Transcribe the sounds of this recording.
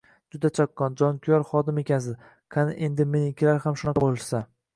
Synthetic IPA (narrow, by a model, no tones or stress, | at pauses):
d͡ʒʊd̪at͡ʃʰakːɒnd͡ʒɒnkʲʰʊjɒɾχɒd̪ɪme̞kʲʰans̬ɪ | qʰanɪʔe̞nd̪ɪmenɪkʲʰɪlaɾhamʃʊnɑqʰɑbolɪʃsa